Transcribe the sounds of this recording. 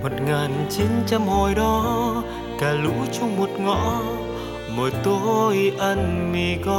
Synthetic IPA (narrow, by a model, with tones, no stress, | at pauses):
mo˨˩t̚ŋaː˨˩nt͡ɕi˨˦nt͡ɕa˧mho˧˩jɗɔ˨˦ | kaː˨˩lṵ˧˥t͡ɕʊ˧ŋ͡mmo˨˩t̚ŋɔ̰˧˨ | məː˨˩jt̪o˧˦jʔə˧nmi˨˩kɔ˧